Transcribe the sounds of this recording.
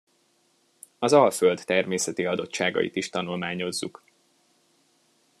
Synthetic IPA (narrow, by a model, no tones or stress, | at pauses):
ɒzɒlføld̪ːɛrmeːsɛt̪iɒd̪o̞t̪ʃaːɡɒ̰jḭt̪iʃt̪ɒnulmaːɲo̞zːṵk